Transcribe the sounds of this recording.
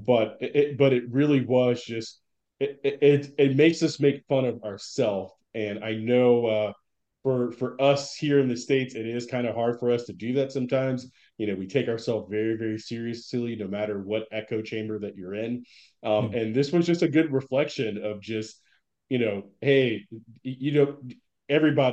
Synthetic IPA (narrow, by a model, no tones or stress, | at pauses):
b̥ʌɾʔɪb̥ʌɾɨt̚ɹɪlˠiwʌzd͡ʒʌst̚ | ɪɪtɪt̚meɪksʌsmeɪkfʌ̃ɾ̃ʌvə˞sɛlˠf | ɨ̃na̰ɪnoʊʌ | fə˞fə˞ʔʌshiɹɨ̃nðɨsteɪtsɨɾɪz̥kʰãɪ̃ndɨhɑɹd̥fə˞ʌstʰɨdɨðætsʌ̃mtʰãɪ̃mz̥ | jɨnoʊwitʰeɪkaə˞sɛlˠfvɛɹivɛɹisɪɹiɨslˠinoʊmæɾə˞wʌɾɛkoʊt͡ʃʰẽɪ̃mbə˞ðɨt͡ʃə˞ɪ̃n | ʔʌ̃mɨ̃nðɪswʌzd͡ʒʌstɨɡʊd̚ɹɨflɛkʃɨ̃nʌvd͡ʒʌst̚ | jɨnoʊheɪ | jɨnoʊ | ɛvɹibɑ